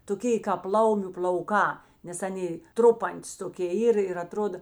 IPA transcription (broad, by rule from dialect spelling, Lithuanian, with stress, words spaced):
toːˈkʲeː kɑːp ˈlˠɐʊmʲʊ pʲlʲɐʊˈkɑː nʲɛs ˈɑːnʲeː ˈtrʊpɐnʲtʲɪs toːˈkʲeː ˈiːr ɪr ɐˈtroːdɐ